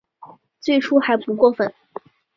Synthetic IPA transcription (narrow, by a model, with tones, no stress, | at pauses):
t͡swe˥˩ɪʈ͡ʂʰu˥xa˧˥ɪpu˧˥kwɔ˥˩fə˨˩˦n